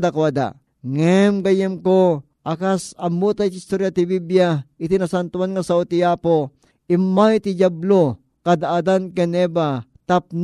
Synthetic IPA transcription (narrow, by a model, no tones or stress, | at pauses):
d̪akwad̪a̰ | ŋɛmɡɐjɛmko | ʔakasɐmːot̪ait̪ist̪oɾjat̪ibibjait̪inasant̪uwanŋasaot̪iapo | imːajt̪id͡ʒablo | kad̪aad̪ankɛnɛbat̪ap̚n